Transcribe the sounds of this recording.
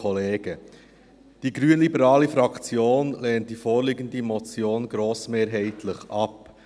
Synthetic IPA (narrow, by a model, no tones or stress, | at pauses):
ɔleːɡ̥ə | d̥iːɡɾyənlibəɾɑːlifɾɑkt͡sjoːnleːnt̚d̥ifoːɾliɡəndimɔt͡sjoːnɡɾoːsmeːɾɦɛɪtʰlɪχɑp